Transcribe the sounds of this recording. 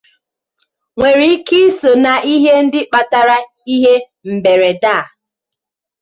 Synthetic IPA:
ŋʷe˨ɾi˦ki˦so˨na˨i˦ɦe˦n̩˦dɪ˦k͡pa˨ta˨ɾa˦ | i˦ɦe˦ | m̩˨be˨ɾe˨da˦˨

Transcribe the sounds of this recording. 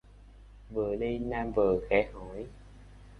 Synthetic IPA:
vəː˨˩ɗi˧jnaː˧mvəː˨˩xɛ˨˦ho˨˦j

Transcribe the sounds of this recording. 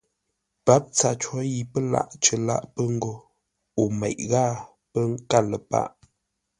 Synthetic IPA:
pa˨˦p̚t͡sa˨t͡ʃwɔ˦ji˨pə˦la̰˦˨ʔt͡ʃə˨la̰˦˨ʔpə˦ŋ̩˦ɡo˦˨ | o˨mɛ˨ʔɣaː˦˨ | pə˦ŋka˦˨lə˨pa̰˦ʔ

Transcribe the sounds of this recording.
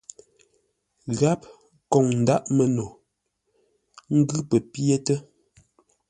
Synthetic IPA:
ɣa˦p | kɔ˨ŋn̩˨da˦ʔmə˨no˨ | ŋ̩˦ɡʉ˦pə˨pje˦tə˦

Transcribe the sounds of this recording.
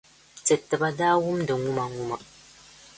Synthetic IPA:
t͡sɛ˨tːɨ˨ba˦daː˦wu˦mdɨ˨ŋu˦ma˨ŋu˦ma˨

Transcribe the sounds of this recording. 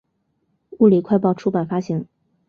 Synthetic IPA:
u˥˩li˨˩kʰwa˥˧ɪp̬ɑ˥˩ʊʈ͡ʂʰu˥pa˨˩nfa˥ɕi˧˥ŋ

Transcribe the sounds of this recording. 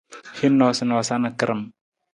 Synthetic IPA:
hi˦nːɔ˨si˨nɔ˨sa˦nə˨kə˦ɾʔə˨m

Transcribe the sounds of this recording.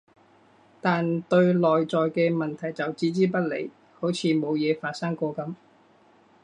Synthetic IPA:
t̪aː˨nt̪ɵ˧ɥlɔː˨jt͡sɔː˨jkɛː˧mɐ˨nt̪ʰɐ˨˩jt͡sɐ˨wt͡siː˨˥t͡siː˥p̬ɐ˥t̚lḛ˨˩j | ho˨˥wt͡sʰiː˨˧mo˨˧wjɛː˨˧faː˧t̚sɐ˥ŋkʷɔː˧kɐ˧˥m

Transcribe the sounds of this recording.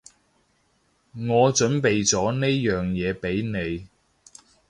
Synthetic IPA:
ŋɔː˨˧t͡ʃɵ˨˥npe˨jt͡sɔː˨˥ne˥jjœː˨˩ŋjɛː˨˧pe˨˥jne˨˧j

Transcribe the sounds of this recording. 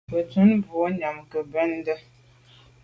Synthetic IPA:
bə˨tu˦nbo˨˦ɲa˨mkə˨bɛ˦n˦də˦

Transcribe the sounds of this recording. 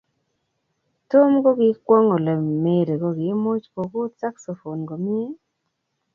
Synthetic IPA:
to˦mɡo˦ɡɪ˨˦kwɔ˦ŋo˨le˨me˨ɾe˨ɡo˦ɡɪ˨˦mo˦t͡ʃko˨ko˦t̪sa˦kso˨fo˨nɡo˨mɪ˦e˦

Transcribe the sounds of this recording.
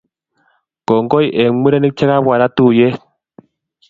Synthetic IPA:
ɡɔ˨ŋɡɔ˦jʔe˨mu˦ɾe˦ni˦k̚t͡ʃɛ˦ka˦βwa˨ɾa˦t̪u˦˨je˦

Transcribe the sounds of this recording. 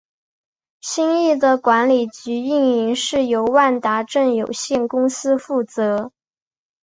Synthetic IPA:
ɕi˥ŋi˥˩d̪ə˩kwa˧˥nli˨˩t͡ɕy˧˥i˥˩ŋi˧˥ŋʂɻ̩˥˩jo˧˥ʊwa˥˩nt̪a˧˥ʈ͡ʂə˥˩ŋjo˨˩ʊɕjɛ˥˩nkʊ˥ŋsɹ̩˥fu˥˩t͡sɤ˧˥

